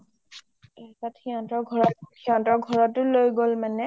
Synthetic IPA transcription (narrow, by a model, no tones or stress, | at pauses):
atatxiɔ̃ntɔɹɡʱɔɹɔtxiɔ̃ntɔɹɡʱɔɹɔtʊlojɡolmanɛ